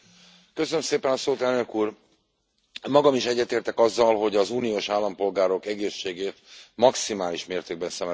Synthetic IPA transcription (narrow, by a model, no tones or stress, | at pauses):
kø̞sønømseːpɛnɒsoːt̪ɛlnø̞kuːr | mːɒɡɒmiʃɛɟːɛt̪eːrt̪ɛkɒzːɒlɦo̞ɟɒzuːnioːʃaːlːɒmpo̞lɡaːɾo̞kɛɡeːʃːeːɡeːt̪mɒksimaːliʃmeːrt̪eːɡ̚bɛnsɛmɛ